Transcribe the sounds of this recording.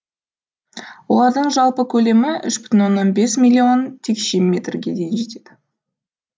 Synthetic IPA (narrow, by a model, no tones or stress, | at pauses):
wo̞̰lˠɑɾd̪əɴʒɑlˠpəkʲʰɵle̞mɪʏʃbʏ̥t̪ɪnwo̞nːonbe̞smʲilʲːio̞nt̪ʰekʃemmʲːe̞t̪rɡʲe̞d̪e̞jɪnʒe̞t̪e̞d̪̥ɪ